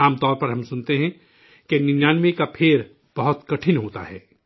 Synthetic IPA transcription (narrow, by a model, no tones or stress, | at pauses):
aːmt̪ɔːɾpɐɾɦɐ̃msʊnt̪eɦɛ̃ | kenɪnjaːnmikapʰeːɾ | b̥ɐɦʊt̪kɐʈʰɪnɦoːt̪a̰ɦɛː